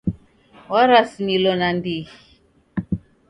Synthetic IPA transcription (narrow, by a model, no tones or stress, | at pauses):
waɾasimilɔnandii